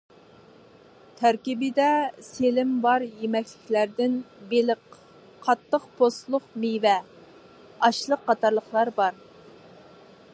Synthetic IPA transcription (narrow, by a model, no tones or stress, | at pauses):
t̪ʰæɾkʲibɪd̪ɛselɪmbɑɾjemɛkʲlɪkʲlæɾd̪ɪnbelɪqʰ | ɑt̪ːəqpʰost̪lˠʊqmijvɛ | ɑʃlˠəqːɑt̪ʰɑɾlˠəχlˠɑɾbɑɾ